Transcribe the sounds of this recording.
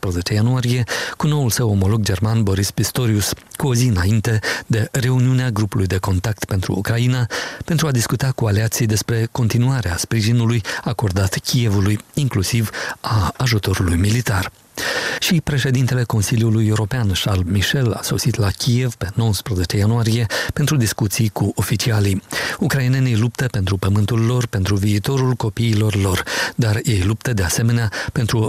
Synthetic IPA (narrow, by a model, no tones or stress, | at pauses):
spɾəze̞t͡ʃe̞januaɾije̞kuno̞ulsəwo̞mo̞lo̞ɡ̚d͡ʒe̞rmanbo̞ɾispist̪o̞ɾiuskuo̞ziɨnaint̪e̞d̪e̞ɾe̞uniuneaɡɾupulujd̪e̞ko̞nt̪ak̚t̪pe̞nt̪ɾṵːkɾainape̞nt̪ɾuad̪iskut̪akualeat̪sijd̪e̞spɾe̞ko̞nt̪inuaɾeaspɾiʒinulujako̞rd̪at̪kʲije̞vulujiŋklusivaːʒut̪o̞ɾulujmilit̪ar | ʃipɾe̞ʃe̞d̪int̪e̞le̞ko̞nsiljulujeuɾo̞peanʃalbmiʃe̞la̰so̞̰sit̪lakʲʰije̞v̥pe̞no̞wəspɾəze̞t͡ʃe̞januaɾije̞pe̞nt̪ɾud̪iskut̪sijkuʔo̞fit͡ʃialijukɾainenejlupt̪əpe̞nt̪ɾupəmɨnt̪ulːo̞rpe̞nt̪ɾuviːt̪o̞ɾulko̞piːlo̞rlo̞rd̪arje̞jlup̚t̪əd̪e̞ase̞me̞neape̞nt̪ɾu